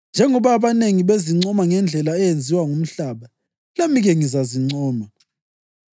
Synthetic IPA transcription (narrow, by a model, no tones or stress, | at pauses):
nd͡ʒʱɛŋɔβaːβaneŋiβeziŋ͡ǀɔmaŋɛnd͡ɮʱɛlaɛjend͡zʱiwaŋum̩ɬaːβa | lamiɣɛŋizaziŋ͡ǀɔːma